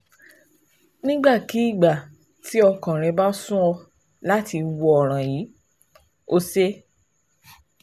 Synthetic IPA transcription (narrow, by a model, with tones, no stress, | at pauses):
nĩ˦ɡ͡ba˦˨ki˨˦i˦˨ɡ͡ba˨ | ti˨˦ɔ˧kã˨ɾ̃ɛ̃˧ba˦sũ˦ɔ˧ | la˨˦ti˧wɔ˧ɔ˨ɾ̃ã˨jiː˨˦ | o˦se˦